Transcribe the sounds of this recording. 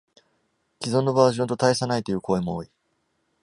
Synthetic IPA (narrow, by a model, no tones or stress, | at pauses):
kʲizõ̞nːo̞baːʑõnt̪ot̪aisanait̪ojɯ̟ːko̞ːe̞mo̞oːi